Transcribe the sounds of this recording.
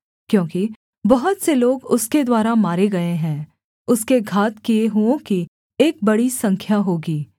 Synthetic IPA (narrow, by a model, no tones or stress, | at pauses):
kjõːki | bɐɦʊt̪seloːɡʊsked̪waːɾamaːɾeɡɐeɦɛ̃ː | ʊskeɡʱaːt̪kieɦuõki | eːk̚bɐɽisɐ̃ŋkʰjaɦoːɡiː